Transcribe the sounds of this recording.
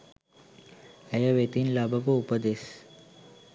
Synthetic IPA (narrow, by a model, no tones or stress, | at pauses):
əjəʋet̪inlabəpəupəd̪es